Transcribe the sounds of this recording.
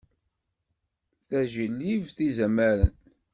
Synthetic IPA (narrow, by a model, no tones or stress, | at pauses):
θæʒəlːivθizæmæɾə̰n